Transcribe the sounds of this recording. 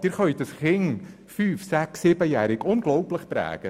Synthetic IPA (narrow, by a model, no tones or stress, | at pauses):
d̥ɪɾχœʏtəsχɪŋ | fyːfsæksɪbəjæːɾɪkʊnɡlɔʊpləχpɾæ̰ːɡ̥ə